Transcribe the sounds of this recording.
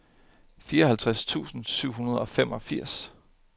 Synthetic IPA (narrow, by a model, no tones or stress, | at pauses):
fiːɐɒhælt͡sʰʁast͡sʰṵːsn̩syʊ̰ɦunɐð̞ˠɒ̽fem̰ɒ̽fiɐ̰s